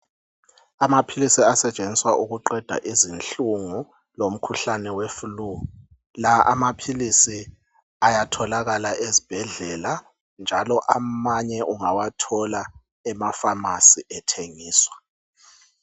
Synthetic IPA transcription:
amapʰilisiasɛt͡ʃʼend͡zʱiswaʔuɣuǃɛd̥ʱa̰ʔizinɬuŋu | lom̩kʰuɬanɛwefulu | laʔa̰mapʰilisi | ajatʰɔlaɣalaʔezib̥ʱɛɮɛla | nd͡ʒʱalɔʔamaɲɛʔuŋawatʰɔla | ɛmafamasiʔɛtʰeŋiːswa

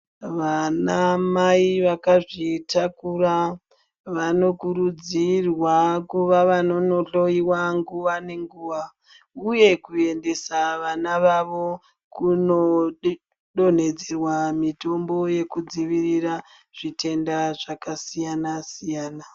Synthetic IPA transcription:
ʋanamaiʋakaʐitakura | ʋano̞kuɾud͡zirwakuʋaʋano̞no̞ɮo̞iwaŋɡuʋane̞ŋɡuːʋa | uje̞kue̞nde̞saʋanaʋaʋo̞ | kuno̞ | ɗon̤e̞d͡zerwamito̞mbo̞je̞kud͡ziʋirira | ʐ̥ite̞ndaʐakasijanasijaːna

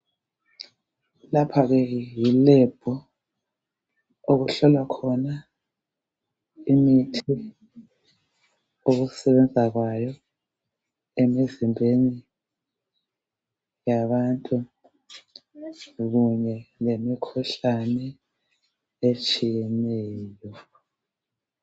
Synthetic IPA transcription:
lapʰaɣɛjilɛb̥ʱɔ | oɣuɬɔlwakʰɔna | imitʰi | oɣusɛβɛnd͡zʱaɣwajɔ | emizimbʱeni | jaβantʼu | ɣuɲɛlemikʰuɬanɛ | et͡ʃʼijɛnɛːjɔ

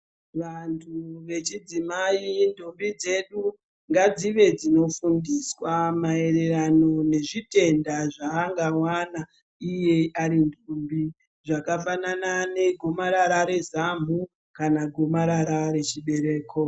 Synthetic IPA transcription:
ʋantʰuʋe̞t͡ʃid͡zimaindʱumbid͡ze̞ɗu | ŋɡad͡ziʋe̞d͡zino̞fundiswamae̞ɾeɾano̞ne̞ʐite̞ndaʐaːŋɡawana | ije̞aɾindʱumbi | ʐakafananane̞ɡʱo̞maɾaɾaɾe̞zam̤u | kanaɡʱo̞maɾaɾaɾe̞t͡ʃiɓe̞ɾe̞ːkʰo

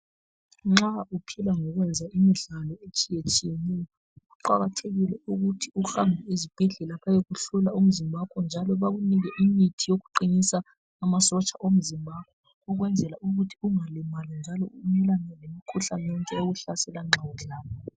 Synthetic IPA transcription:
ŋ͡ǁaupʰilaŋɔɣwɛnd͡zʱaimiɮalɔet͡ʃʼijet͡ʃʼijenijɔ | ɣuǃaɣatʰeɣilɛuɣutʰiuxambʱiizib̥ʱɛɮɛlaβajeɣuɬulaum̩zimbʱapʼɛnd͡ʒʱalɔβaɣuniɣɛʔimitʰijoɣuǃinisaː | masɔt͡ʃʼaʔom̩zimbʱap̚ʼwɛ | uɣwɛnd͡zʱɛlaʔuɣutʰiuŋalimalɛnd͡ʒʱalɔumɛlanɛlemikʰuɬanɔŋkʼɛoɣuɬasɛlaŋ͡ǁʱawuɮaːβɔ

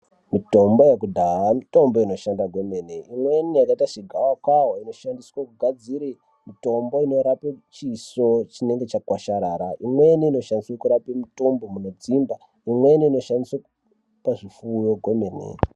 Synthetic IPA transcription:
mito̞mbo̞jekudʱaɦamito̞mbo̞ino̞ʃandaɡʱwo̞me̞neʔimwe̞nijakaitaʂiɡʱawakwaɦoino̞ʃandiswakuɡʱad͡ziɾe | mito̞mbo̞ino̞ɾapet͡ʃiso̞t͡ʃine̞ŋɡe̞t͡ʃakwaʃaɾaɾaimweniino̞ʃandiswakuɾapemito̞mbomunod͡zimba | imwe̞niino̞ʃandiswa | paʐifuːjo̞ɡʱo̞menḛ

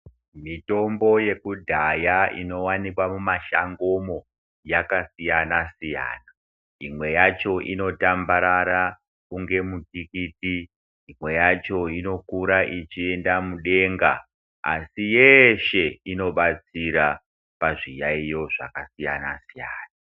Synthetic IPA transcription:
mito̞mbo̞je̞kudʱajaʔḭno̞wanikwamumaʃaŋɡo̞mo̞ | jakasijanasija̰ːna | imwe̞jat͡ʃo̞ʔino̞tambaɾaɾa | kuŋɡe̞mutikitiː | mwe̞jat͡ʃo̞ino̞kuɾaʔit͡ʃie̞ndamuɗe̞ŋɡa̰ | a̰sijeʃe̞ino̞ɓat͡siɾa | paʐijaijo̞ʐa̰kasija̰nasijaːna

